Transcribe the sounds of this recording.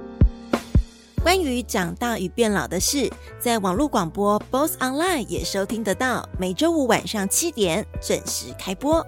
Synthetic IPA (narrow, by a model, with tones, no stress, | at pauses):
kwa˥ny˧˥t͡ɕjɑ˨˩ŋt̪a˥˩y˨˩pjɛ˥˩nlɑ˨˩ʊd̪ə˦ʂɻ̩˥˩ | t͡sa˥˩ɪwɑ˨˩ŋlu˥˩kwɑ˨˩ŋpwɔ˥po˥ʊsɑ˥nla˥˧ɪnjɛ̰˨˩ʂo˥ʊt̪ʰi˥ŋd̪ə˨t̪ɑ˥˩ʊme˧˩ɪʈ͡ʂo˥ʊu˥˩wa̰˨˩nʂɑ˥˩ŋt͡ɕʰi˥t̪jɛ˧˥nt͡swə˨˩nʂɻ̩˧˥kʰa˥ɪpwɔ˥